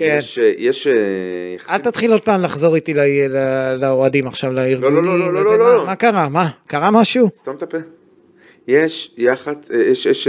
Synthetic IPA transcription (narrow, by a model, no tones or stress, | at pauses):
keenʃjeʃejaχalt̪at̪χilo̞d̪̚paːmlaχzo̞ʁit̪ilalalaoadimaχʃavlaiʁloɡnimololomakaʁamakaʁamaʃust̪amt̪ape | jeʃjaχadjeʃeʃ